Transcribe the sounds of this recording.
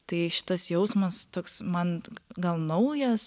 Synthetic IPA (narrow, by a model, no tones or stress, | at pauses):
t̪ɐɪʃʲɪ̥t̪ɐsjɛʊsmɐst̪oːksmɐnɡɐlˠnɐʊjɛs